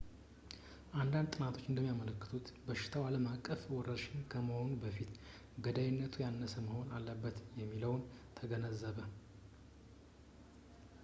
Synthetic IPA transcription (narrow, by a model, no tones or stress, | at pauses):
ʔand̪and̪t̪ʼɨnat̪ʰo̞t͡ʃːɨnd̪əmːijamələkːɨ̥t̪ʰut̪bəʃɪ̥t̪ʰawaləmakʼːəfwɔɾəʃɪnkʰəməho̞nubəfit̪ | ɡəd̪ajɪnːət̪ʰujanːəsəməho̞nalːəbːət̪jɛmːiləwnt̪ʰəɡənəzːəβə